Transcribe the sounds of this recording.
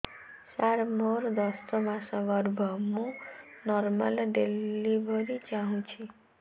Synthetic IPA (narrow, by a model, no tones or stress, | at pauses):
saɾmoɾd̪ʌst̪ʌmasʌɡʌɾbʱʌmunʌrmalɖelibʱʌɾit͡saɦũnt͡sʰi